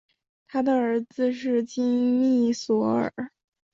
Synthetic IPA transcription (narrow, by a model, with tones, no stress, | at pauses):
t̪ʰa˥d̪ə˨ə˧˥d͡zɹ̩˧ʂ̬ɻ̩˥˩t͡ɕi˥ŋmi˥˩swɔ˧˥ə̰˞˨˩˦